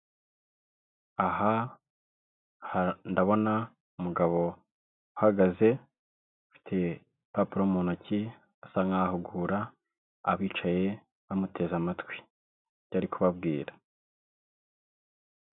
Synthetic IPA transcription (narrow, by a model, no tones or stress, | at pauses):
aha | handaβo̞na | umuɡaβo̞ | uhaɡaze̞ | ufi̥tʰe̞ | papuɾomuːnaci | asaŋahuɡuɾaː | βiːt͡ʃaje̞ | βamutʰe̞ːzamatwi̥ | ɟaɾikʰuβabɡiːɾa